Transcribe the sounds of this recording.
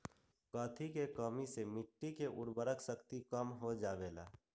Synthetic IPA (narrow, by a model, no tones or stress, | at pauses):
kəːt̪ʰikekəmisemɪʈːikeʔʊɽbəɾəksəkt̪ikəmɦod͡ʒaːbeːla̰ː